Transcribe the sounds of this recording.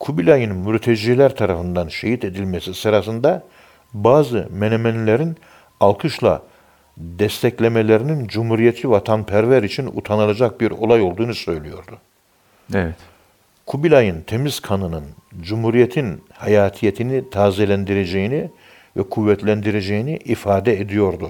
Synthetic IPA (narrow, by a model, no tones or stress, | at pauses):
kʰubilʲajɯnmyɾt̪ʰed͡ʒilʲæɾt̪ʰaɾafɯnd̪anʃeɦit̪ʰe̞d̪ilʲmɛsisɯɾasɯnd̪a | baːzɯmenemɛnlʲeɾin | alˠkʰɯʃlˠa̰ | d̪ɛst̪ʰɛclʲe̞melʲeɾinind͡ʒumhuɾijet̪ʰivat̪ʰanpʰæɾvæɾit͡ʃʰinṵt̪ʰanɯlˠad͡ʒak̚biɾo̞̰lˠajo̞lˠd̪uːnusø̞jlʲijo̞ɾd̪u | ɛvt̪ | kʰubilʲajɯnt̪ʰemiz̥kʰanɯnɯnd͡ʒumhuɾijet̪ʰinhajaːt̪ʰijet̪ʰinit̪ʰaːzelʲænd̪iɾed͡ʒejini | vɛkʰuvːɛt̪ʰlʲænd̪iɾed͡ʒejiniʔifaːd̪ɛed̪ijo̞ɾd̪u